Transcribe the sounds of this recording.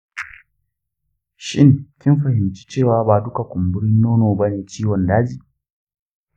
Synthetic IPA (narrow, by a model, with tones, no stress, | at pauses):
ʃɪ˦ŋkʲɪ˦mɸɐ˨hɪ˨mt͡ʃi̥˦t͡ʃeː˦˨waː˨˦baː˨dʊ˦ka˨kʷʊ˨mbʊ˦ɽɪ˦nːoː˦noː˨ba˦neː˨t͡ʃiː˦wɔ˨ndaː˦d͡ʒiː˨